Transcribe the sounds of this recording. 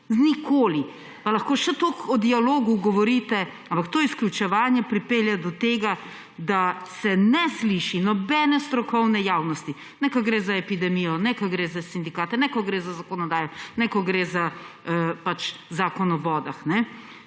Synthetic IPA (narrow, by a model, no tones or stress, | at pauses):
znikʰoːli | palaxkoːʃɛt̪okɔd̪ialoːɡuɡɔʋɔɾit̪ɛ | ampakt̪oːisklʲjut͡ʃɛʋaːnjɛpɾipeljad̪ɔt̪eːɡa | d̪asɛnɛsliʃinɔbɛnɛst̪ɾɔkɔwnɛjawnɔst̪i | nɛkaɡɾeːzaɛpid̪ɛmijɔnɛkaɡɾeːzasind̪ikaːt̪ɛnɛkɔɡɾeːzazakɔnɔd̪aːjɔnɛkɔɡɾeza | pat͡ʃzaːkɔnɔbɔːd̪axnɛ